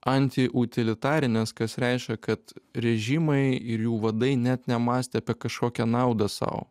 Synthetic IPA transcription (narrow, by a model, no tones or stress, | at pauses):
ɐnʲt̪ʲɪʔʊt̪ʲɪlʲɪt̪ɑːɾʲɪnʲɛskɐsɾʲɛɪʃʲkʲɛkɐt̪ɾʲɛʒʲimɐɪɪɾjuːʋɐd̪ɐɪnʲɛt̪nʲɛmɑːsʲt̪ʲɛɐpʲɛkɐʃkoːkʲɛnɑˑʊd̪ɐsɑ̰ʊ̰